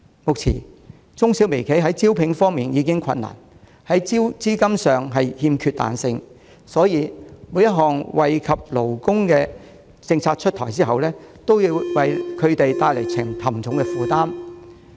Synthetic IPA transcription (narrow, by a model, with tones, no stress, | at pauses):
mʊ˨k̚t͡sʰḭː˨˩ | t͡sʊ˥ŋsiː˨˥wme˨˩jkʰe˨˥jɦɐ˨˥jt͡siː˥wpʰɪ˨˧˥ŋfɔː˥ŋmiː˨njiː˨˧kɪ˥ŋkʷʰɐ̰˧nːa̰ː˨˩n | hɐ˨˥jt͡siː˥wt͡siː˥kɐ˥msœː˨ŋɦɐ˨jhiː˧mkʰyː˧t̪̚a̰ː˨nsɪ˧ŋ | sɔː˨˥jiː˨˧mu˨˧˥jɐ˥t̚ɦɔː˨˩ŋwɐ˨jkʰɐ˨p̚lo˨˩wkʊ˥ŋkɛː˧ | t͡sɪ˧ŋt͡sʰaː˧t̚t͡ʃʰɵ˥t̪̚ʰɔː˨˩jt͡siː˥ɦɐ˨wlɛː˥t̪o˥wjiː˧wwɐ˨jkʰɵ˨˧ɥt̪e˨jt̪aː˧jle˨˩jt͡sʰɪ˨˩ŋt̪ʰɐ˨˩mt͡sʰʊ˨˥ŋkɛ˧fuː˨t̪aː˥m